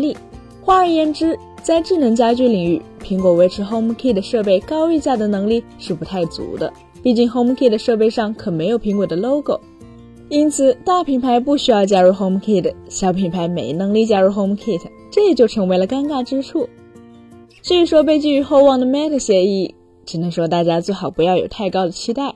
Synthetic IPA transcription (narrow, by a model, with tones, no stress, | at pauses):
li˥˩ | xwa˥ə˧˥˩jɛ˥˩nʈ͡ʂɻ̩˥ | t͡sa˥˧ɪʈ͡ʂɻ̩˥˩nɤ˧˥ŋt͡ɕja˥t͡ɕy˥li˨˩ŋy̰˥˩pʰi˧˥ŋkwɔ˧˥we˧˥ɪʈ͡ʂʰɻ̩˧˥xo˥ʊm˥˧kʰi˥˩d̪ə˩ʂɤ˥˧p̬e˥˩ɪkɑ˥ʊy˥˧t͡ɕja˥˩d̪ə˩nɤ˧˥ŋli˥˧ʂɻ̩˥˩pu˧˥t̪ʰa˥˩ɪt͡sṵ˧˥d̪ə̰˧ | pi˥˧t͡ɕi˥˩ŋxo˥ʊm˥kʰi˥˩d̪ə˩ʂɤ˥˧pe˥˧ɪʂɑ˥˩ŋkʰɤ˨˩me˧˥ɪjo˨˩ʊpʰi˧˥ŋkwɔ˨˩d̪ə˦lo˥ʊko˨˩ʊ | i˥nt͡sʰɹ̩˨˩t̪a˥˩pʰi˨˩ŋpʰa˧˥ɪpu˥˩ɕy˥jɑ˥˧ʊt͡ɕja˥ɻu˥˩xo˥ʊm˥˧kʰi˥˩d̪ə˩ɕjɑ˧˥ʊpʰi˨˩pʰa˧˥ɪme˧˥ɪnɤ˧˥ŋli˥˩t͡ɕja˥ɻu˥˩xo˥ʊm˥˧kʰi˥˩tʰ | ʈ͡ʂɤ˥˩ə˩t͡ɕjo˥˩ʊʈ͡ʂʰɤ˧˥ŋwe˧˥ɪlə˧ka˥nka˥˩ʈ͡ʂɻ̩˥ʈ͡ʂʰu˥˩ | t͡ɕy˥˩y˧˥ʂwɔ˥p̬e˥˧ɪt͡ɕy˥˩y˧˥xo˥˧ʊwɑ˥˩ŋd̪ə˩mɛ˥t̪ʰə˥˩ɕjɛ˧˥i˥˩ | ʈ͡ʂɻ̩˨˩nə˧˥ŋʂwɔ˥t̪a˥˩t͡ɕja˥t͡swe˥˩ɪxɑ˨˩ʊpu˧˥jɑ˥˩ʊjo˨˩ʊt̪ʰa˥˩ɪkɑ˥ʊd̪ə˨t͡ɕʰi˥t̪a˥˩ɪ